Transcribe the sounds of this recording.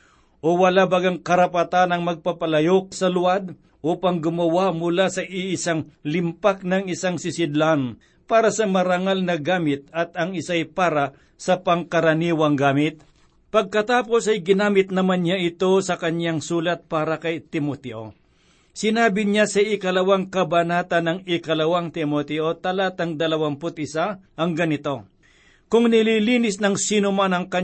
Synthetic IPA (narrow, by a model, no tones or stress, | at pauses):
ʔowɐlabaɡaŋkɐɾɐpat̪anɐŋmɐɡ̚papɐlɐjok̚sɐlʊad̪ | ʔopɐŋɡʊmɐwamʊlasɐʔɪʔɪsaŋlɪmpak̚nɐŋɪsaŋsɪsɪd̪lan | paːɾɐsɐmɐɾaŋalnɐɡaːmɪt̪̚ɐt̪ɐŋɪsajpaːɾa | sɐpɐŋkɐɾɐniːwɐŋɡaːmɪt̪̚ | pɐɡ̚kɐt̪aːpo̞sɐjɡɪnaːmɪt̪̚nɐmanɲaʔɪt̪o̞sɐkɐɲaŋsuːlɐt̪̚paːɾɐkɐjt̪ɪmot̪ɛʔo̞ | sɪnaːbɪɲasɐɪkɐlɐwaŋkɐbɐnaːt̪ɐnːɐŋɪkɐlɐwaŋt̪ɪmot̪ɛʔo̞t̪ɐlat̪ɐŋd̪ɐlɐwampʊt̪̚ɪsaʔɐŋɡɐnɪt̪o̞ | kʊŋnɪliliːnɪsnɐŋsinʊmanɐŋkɐ